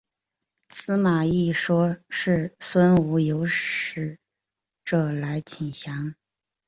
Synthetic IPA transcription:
sɹ̩˥ma˨˩i˥˩ʂwɔ˥ʂɻ̩˥˩swə˥nu˧˥jo˧˥ʊɻ̩˧˥ | ʈ͡ʂɤ˥˩la˧˥ɪt͡ɕʰi˨˩ŋɕjɑ˧˥ŋ

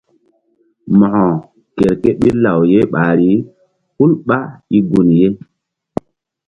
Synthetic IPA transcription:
mɔ˨hɔ̃˨ | ke˨ɾke˦ɓe˦la˨wje˦ɓaː˨ɾi˦ | hu˦lɓa˦i˦ɡu˨nje˦

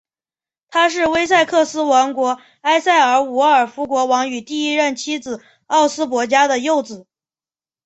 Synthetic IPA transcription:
t̪ʰa˥ʂ̬ɻ̩˥˩we˥ɪs̬a˥˧ɪkʰɤ˥˩sɹ̩˥wɑ˧˥ŋkwɔ˧˥ | a˥ɪsa˥˩ɪə˞˧˥u˧˥ə˞˨˩fu˧˥kwɔ˧˥wɑ˧˥ŋy˨˩t̪i˥˧i˥ɻə˥˩nt͡ɕʰi˥d͡zɹ̩˨˩ | ɑ˥˩ʊsɹ̩˥p̬wɔ˧˥t͡ɕja˥d̪ə˨jo˥˩ʊt͡sɹ̩˨˩˦

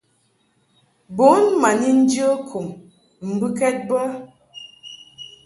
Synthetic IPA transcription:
bo˨˦nma˨ni˦n̩˦d͡ʒə˦kʰu˨m˨ | m̩˨bɨ˦kɛ˦t̚bə˦

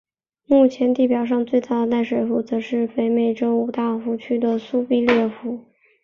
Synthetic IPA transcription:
mu˥˩t͡ɕʰjɛ˧˥nt̪i˥˩pjɑ˨˩ʊʂ̬ɑ˥˧ŋt͡swe˥˧ɪt̪a˥˩d̪ə˩t̪a˥˩ɪʂwe˨˥˩fu˧˥t͡sɤ˧˥ʂɻ̩˥˩fe˧˥ɪme˨˩ɪʈ͡ʂo˥ʊu˨˩t̪a˥˩xu˧˥t͡ɕʰy˥d̪ə˨su˥pi˥ljɛ˥˩xu˧˥

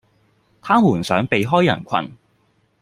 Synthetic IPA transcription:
t̪ʰaː˥muː˨˩nsœː˨˥ŋpe˨jɦɔː˥jɐ̰˨˩nkʷʰɐ̰˨n

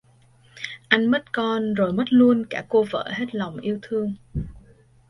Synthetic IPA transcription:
ʔa˧jŋ̟mə˦˥t̚kɔ˧nzo˨˩jmə˦˥t̚lu˧ənkaː˧˩ko˧və̰ː˧˥ɦe˦˥t̚la˨˩wŋ͡mʔi˧əwt̪ʰɨ˧əŋ

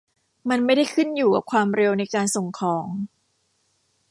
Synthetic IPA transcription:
ma˧nma˥˩jda˥˩jkʰɯ˥˩njuː˨˩ka˨˩p̚kʰwaː˧mɾe˧wna˧jkaː˧nso˨˩ŋkʰɔː˩˦ŋ

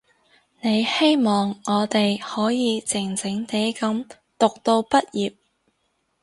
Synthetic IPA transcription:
ne˨˧jhe˥jmɔː˨ŋːɔː˨˧t̪e˨jhɔː˨˥jiː˨˧t͡sɪ˨˩ŋt͡sɪ˨˥ŋt̪e˨˥jkɐ˨˥m | t̪ʊ˨k̚t̪o˧wpɐ˥t̚jiː˨p̚

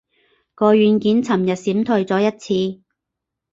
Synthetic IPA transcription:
kɔː˧ɥyː˨˧nkiː˨˥nt͡sʰɐ˨˩mjɐ˨t̚siː˨˥mt̪ʰɵ˧jt͡sɔː˨˥jɐ˥t̚t͡sʰiː˧

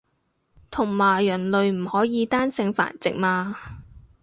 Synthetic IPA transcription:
t̪ʰʊ˨˩ŋmaː˨˩jːɐ˨˩nlɵ˨ɥm̩˨˩hɔː˨˥jiː˨˧t̪aː˥nsɪ˨˧˥ŋfa̰ː˨˩nt͡sɪ̰˨k̚maː˧

